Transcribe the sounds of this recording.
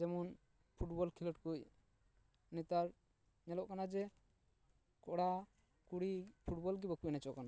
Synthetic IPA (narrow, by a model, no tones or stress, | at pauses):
d͡ʒɛmɔn | pʰuʈbɔlkʰilɔʈkuc̚ | nɛt̪aɾ | nɛlɔʔkanad͡ʒɛ | kɔɽa | kuɽipʰuʈbɔlɡibakuʔnat͡ʃɔʔkana